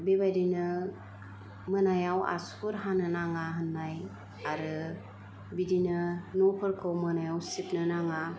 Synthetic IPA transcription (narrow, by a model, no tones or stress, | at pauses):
bebajdinɯ | mɯnajawa̰suɾɦanɯnaŋaɦɯnːaj | aɾɯ | bidinɯnɔpʰɯɾkʰɯwmɯnajawsipnɯnaŋa